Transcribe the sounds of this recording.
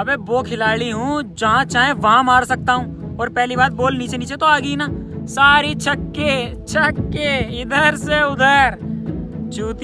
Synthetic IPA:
ɐbeboːkʰɪlaːɭiɦũd͡ʒɐɦãt͡ʃaːɦẽʋɐɦãmaːɾsɐk̚t̪aɦũː | ɔːɾpɛɦlibaːd̪̚boːlniːt͡ʃeniːt͡ʃet̪oaːɡinasaːɾit͡ʃʰɐkːe | t͡ʃʰɐkːeɪd̪əɾseʊd̪ʱəɾ | d͡ʒuːt̪

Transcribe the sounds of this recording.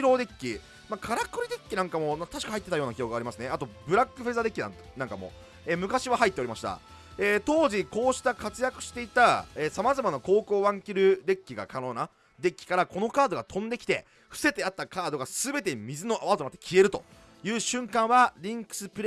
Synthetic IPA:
ɾo̞ːd̪e̞kʲːi | makʰaɾakːɯɾʲid̪e̞kʲːinãŋkamo̞mat̪aɕi̥kahait̪ːet̪ajo̞ːnakʲijokɡaːɾʲimasɨne̞at̪o̞bɯ̟ɾakːɯ̟ɸezad̪e̞kʲːinã̰ | nãŋkamo̞̰ | eːmɯ̟kaɕiβahait̪ːeo̞ɾʲimaɕi̥t̪a̰ | eːt̪o̞ːʑiko̞ːɕi̥t̪akat͡sɨjakɯ̟̥ɕi̥t̪e̞it̪aeːsamazamanako̞ːko̞ːβãŋkʲiɾɯ̟d̪e̞kʲːiɡa̰kʰano̞ːna | d̪e̞kʲːi̥kaɾako̞no̞kaːd̪o̞ɡat̪ʰõ̞nd̪e̞kʲi̥t̪e̞̰ | ɸɯ̟̥se̞t̪e̞at̪ːakaːd̪o̞ɡasɨbe̞t̪e̞mʲizɨno̞ʔaβatonat̪ːekʲie̞ɾɯ̟t̪o̞̰ | jɯ̟ːɕɨ̃ŋkãɰ̃βaɾʲĩŋkɯ̟̥sɨpɯ̟ɾ

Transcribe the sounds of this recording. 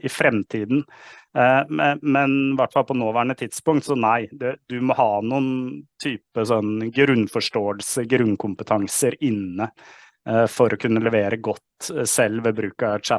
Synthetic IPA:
ɪfɾɛmt̪ʰiːd̪n | mɛnʋæʈfɑlpʰɔnoːʋæːɳət̪ʰɪd̪spʊŋkt̪sɔnæɪd̪ɛd̪ʉmɔhɑːnuːənt̪ʰyːpəsɔnːɡɾʉnfɔʂʈoːəlsəɡɾʉnkʰʊmpət̪ʰɑŋsəɾɪnːə | fɔɾʔɔkʰʉnːəlɛʋeːɾəɡɔt̪ːsɛlːʋɛbɾʉːkɑt͡ʃæ

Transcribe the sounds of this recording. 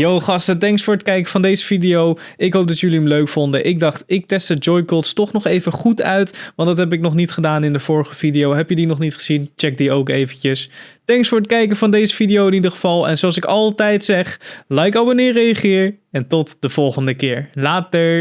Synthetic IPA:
jowχɑstətɛŋksfʊːɹət̚kɛjkəv̥ɑndejzəvidijow | ɪkɦowp̚dɑtjɵliəmløɥkfɔndəʔɪɡ̚dɑχtɪk̚tɛstəd͡ʒɔjkɔlˠtstɔχnɔχejvəχutœɥtʋɑntdɑtɦɛp̬ɪk̚nɔχnitχədaːnɪndəv̥ʊːɹəχəv̥idijowɦɛpjədinɔχnitχə̥z̥int͡ʃɛk̚diowkejvəncəstɛŋksfʊːɹət̚kɛjkəvɑndejzəfidijowɪnidəɹχəv̥ɑlˠɛ̰nzoɑlˠsɪkɑlˠtɛjtsɛχlaːɪkɑlˠʋənɪːɹrejəχɪːɹɛntɔtd̥əv̥ɔlˠχəndəkɪːɹlaːtəɹ

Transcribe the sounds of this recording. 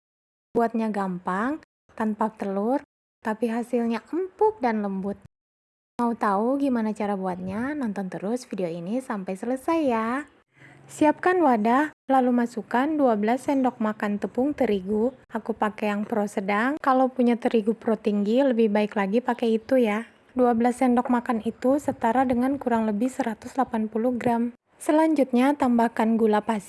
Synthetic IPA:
buat̪̚ɲaɡampaŋ | t̪anpap̚t̪əlʊr | t̪apiɦasilɲaʔəmpʊk̚danləmbʊt̪̚ | maut̪auɡimanat͡ʃaɾabuat̪̚ɲanɔnt̪ɔnt̪əɾʊsfideoinisampajsələsajːa | siap̚kanwadahlalumasukanduabəlasɛndɔk̚makant̪əpʊŋt̪əɾiɡuakupakɛjaŋpəɾɔsədaŋkalowpuɲat̪əɾiɡupɾot̪iŋɡiləbɪhbaɪklaɡipakɛit̪uja | duabəlasɛndɔk̚makanit̪usət̪aɾadəŋankuɾaŋləbɪhsəɾat̪ʊslapanpuluhɡɾam | səlaɲd͡ʒut̪̚ɲat̪ambahkanɡulapas

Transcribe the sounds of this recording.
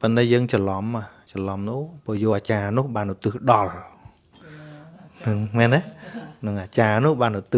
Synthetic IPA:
pont̪aːɛjəːŋt͡ɕɑlɑmːaht͡ɕɑlɑmnupɔəjoːʔaːt͡ɕaːnʊ̆əhɓaːnut̪ɨːhɗɑl | nɨŋmɛːnɛnɨŋʔaːt͡ɕaːnʊ̆əhɓaːnut̪ɨ

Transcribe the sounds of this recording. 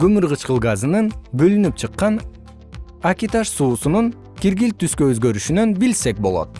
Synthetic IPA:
ɡømɯɾʁɯt͡ʃqɯlˠɡazɯnɯnbø̞lynyp̚t͡ʃʰɯqːɑn | akʲit̪ɑʃsuːsunuŋ | kiɾɡilt̪yskøøzɡø̞ɾyʃynønbilse̞k̚bo̞lˠo̞̰t̪̚

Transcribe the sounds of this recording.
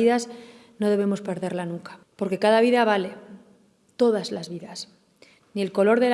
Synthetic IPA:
iðaz | no̞ðe̞β̞e̞mo̞spe̞ɾðe̞ɾlanuŋkḁ | po̞ɾke̞kaðaβ̞iðaβ̞ale̞ | t̪o̞ð̞azlazβiðas | nielko̞lo̞ɾðel

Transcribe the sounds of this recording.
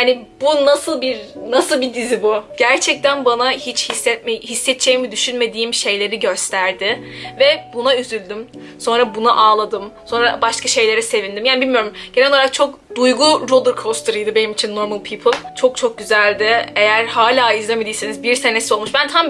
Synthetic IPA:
hanib̥unasɯlˠbiɾnasɯlˠbid̪izibuɟ̥æɾt͡ʃʰɛc̚t̪ænbanahit͡ʃhisːɛt̪̚mehisːɛt̪̚d͡ʒʰejmid̪yʃynme̞d̪iːimʃe̞jlʲe̞ɾiɟø̞st̪ʰæɾd̪ɪvɛbunayzylʲd̪ym | so̞nɾabunaʔaːlˠad̪ɯmso̞nɾabaʃkaʃe̞jlʲe̞ɾɛse̞vind̪imjaːnbilʲmijo̞ɾumɟ̥eɛlnoaɾak̚t͡ʃʰo̞kd̪̥ujɡuɾod̪ˠɯɾkʰost̪ʰɯɾɯjd̪ɯbe̞nimit͡ʃʰinːo̞ɾmalˠpʰiːpʰɯlˠt͡ʃʰo̞k̚t͡ʃʰo̞k̚ɟyzælʲd̪ɪe̞jæɾhaːlʲaːizlʲemed̪ijsenizbiɾsene̞sio̞lˠmuʃbænt̪ʰam

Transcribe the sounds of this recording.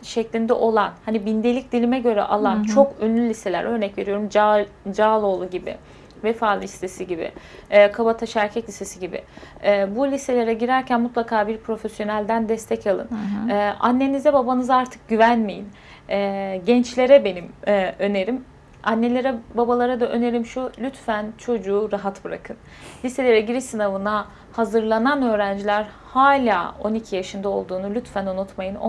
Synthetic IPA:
ʃɛclʲind̪ɛʔo̞lˠanhanibind̪e̞lʲic̚d̪ilʲimɛɟø̞ɾɛ̰ʔalˠant͡ʃʰo̞kønlʲylʲise̞lʲæ̰ɾø̞ɾnɛcve̞ɾijo̞ɾumd͡ʒd͡ʒaːlˠo̞ːlˠuɟibɪ̰ | vɛfaːlˠɯist̪e̞siɟibɪ̰ːkʰabat̪ʰaʃæɾcʰɛcʲisʰesiɟibɪ̰ːbulʲise̞lʲe̞ɾɛɟiɾæɾcʰænmut̪lˠakʰaːbiɾpʰɾo̞fesjo̞nælʲd̪ænd̪ɛst̪ʰɛcʰalˠɯ̰nːʔa̰nːe̞nizd̪ɛbabanɯzaɾt̪ʰɯ̥k̚ɟyvænmejin | ɛɟɛnt͡ʃlʲe̞ɾɛbe̞nimːø̞ne̞ɾim | anːe̞lʲe̞ɾɛbabalˠaɾad̪aʔø̞ne̞ɾimʃulʲyt̪fænt͡ʃʰo̞d͡ʒuːɾaɦat̪bɯɾa̰kʰɯn | lʲise̞lʲe̞ɾɛɟiɾisɯnavɯna | hazɯɾlˠananø̞ːɾænd͡ʒilʲæɾ | haːlʲaːo̞nicʰijaʃɯnd̪ao̞̰lˠd̪uːnulʲyt̪fænonut̪majɯn̰

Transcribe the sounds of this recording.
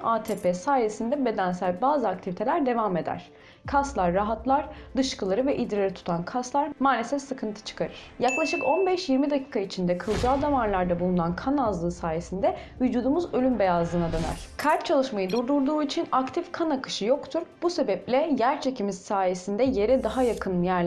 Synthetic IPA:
aːt̪ʰeːpʰɛsaːje̞sind̪ɛbe̞d̪ænsælʲbaːzɯakt̪ʰivʲit̪ʰe̞lʲæɾd̪e̞vame̞d̪æ̰ɾ̥ | kʰast̪lˠaɾːaɦat̪lˠaɾ̥d̪ɯʃkʰɯlˠaɾɯvɛʔid̪ɾeaɾit̪ʰu̥t̪ʰankʰaslˠaɾmaːlʲe̞sɛfsɯkʰɯnt̪ʰɯ̥t͡ʃʰɯ̥kʰaɾɯɾ̥ | jaklˠaʃɯko̞nbɛʃjiɾmid̪acʰiːkʰait͡ʃʰind̪ɛkʰɯlˠd͡ʒaːd̪amaɾlˠaɾd̪abulˠunankʰanazlˠɯːsaːje̞sind̪ɛvyd͡ʒuːd̪umuzø̞lʲymbe̞jazlˠɯːnad̪ønæ̰ɾ̥kʰaɾt̪̚t͡ʃʰalˠɯʃmajɯd̪uɾd̪uɾd̪uːit͡ʃʰinakt̪ʰifkʰanakʰɯ̥ʃɯjo̞kt̪ʰuɾb̥use̞bɛplʲɛjæɾt͡ʃʰe̞cimiz̥saːje̞sind̪ɛje̞ɾɛd̪aɦajakʰɯnjæɾlʲ

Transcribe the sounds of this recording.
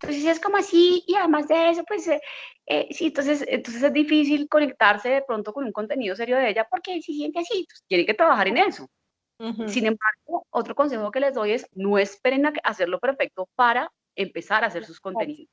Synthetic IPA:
nt̪onses̬e̞sko̞moasiiaðe̞mazd̪e̞es̬opwe̞seḛsient̪o̞ns̬e̞s̬ḛnt̪ons̬e̞s̬e̞zd̪ifis̬ilko̞ne̞k̚t̪aɾse̞ðe̞pɾo̞nt̪okonuŋko̞nt̪e̞niðo̞s̬e̞ɾjo̞ðeeʝapo̞ɾkesis̬je̞nt̪easit̪west̪je̞neŋke̞t̪ɾaβaxaɾe̞ne̞so̞ | sinẽ̞mbaɾɡo̞ot̪ɾo̞ko̞ns̬e̞xo̞ke̞le̞zd̪o̞je̞sno̞e̞spe̞ɾenakase̞ɾlo̞pe̞ɾfe̞k̚t̪o̞paɾa | e̞mpe̞saɾase̞ɾsusko̞nt̪e̞niðos

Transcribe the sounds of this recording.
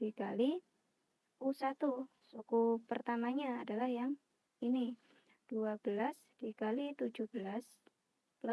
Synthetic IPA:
ikali | usat̪u | sukupərt̪amaɲaːdalahjaŋ | ini | d̥uabəlas | d̥ikalit̪ud͡ʒuhb̥əlas | l

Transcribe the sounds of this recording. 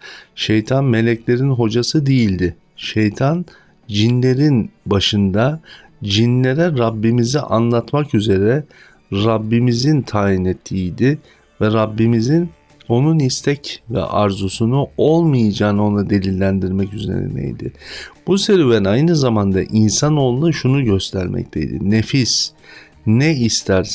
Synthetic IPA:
ʃe̞jt̪ʰanme̞lʲɛclʲe̞ɾinɦo̞d͡ʒasɯd̪ejilʲd̪ɪ | ʃejt̪ʰan | d͡ʒinlʲe̞ɾinbaʃɯnd̪a | d͡ʒinlʲe̞ɾɛɾabːimiziʔanlˠat̪makyze̞ɾɛ | ɾabːimizint̪ʰaːjinɛt̪ʰːiːjd̪ɪ | vɛɾabːimizin | o̞nunist̪ʰɛcvɛ̰ʔaɾzusunuo̞lˠmɯjad͡ʒaːnɯo̞nlˠad̪e̞lʲilʲːænd̪iɾmɛcyze̞̰ɾɛ̰nḛjd̪ɪ̰b̥useɾyvænajnɯzamand̪a̰ʔinsanolˠunuʃunuɟø̞st̪ʰæɾmʔɛ̰ct̪ʰḛjd̪ɪ̰nefis | nɛist̪ʰæɾ

